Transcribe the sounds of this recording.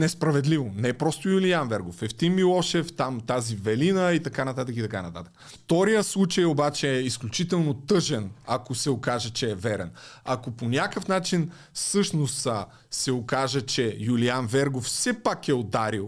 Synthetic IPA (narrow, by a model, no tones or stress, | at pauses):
nɛspɾɐvɛd̪livonɛpɾɔst̪ojulianvɛɾɡofɛft̪immilˠɔʃɛft̪amt̪azivɛlinəit̪ɐkanɐt̪at̪əkit̪ɐkanɐt̪at̪ə̥kft̪ɔɾijəslˠut͡ʃɐjobat͡ʃɛɛisklʲut͡ʃit̪ɛlˠnot̪ɤʒɛnakosɛokaʒɛt͡ʃɛːvɛɾɛ̰nɐkoponʲakəfnat͡ʃin | fsɤʃnost̪ | sɛokaʒət͡ʃɛjulianvɛɾɡofsɛpakɛod̪aɾilˠ